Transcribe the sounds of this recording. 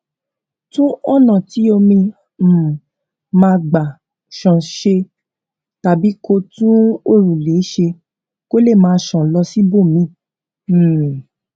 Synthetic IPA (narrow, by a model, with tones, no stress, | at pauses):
tũ˦ɔ˦˨nã˨ti˨˦o˧mĩ˧˨ | mãː˧˦˧ɡ͡ba˨ | ʃã˨ʃe˧ | ta˨bi˨˦ko˧tũ˦o˦˨ɾũ˨le˨˦ʃe˧ | ko˦le˦˨mãː˨˧ʃã˨˦lɔ˧si˦bo˦˨mĩ˧˦˨